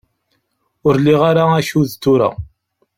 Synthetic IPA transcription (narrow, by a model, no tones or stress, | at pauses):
ʊɾliʁaɾaæʃuðt̪ːʊɾa̰